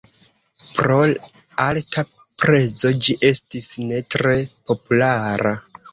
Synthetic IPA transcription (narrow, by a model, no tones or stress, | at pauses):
pɾo̞ | alka | pɾe̞zo̞d͡ʒiʔe̞stisne̞tɾe̞po̞pulaɾa